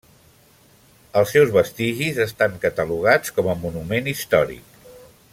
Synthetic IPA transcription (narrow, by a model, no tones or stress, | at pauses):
əlˠsːɛwzβəst̪iʒizəst̪aŋkət̪əluɣ̞at͡skɔməmunumenist̪ɔɾḭk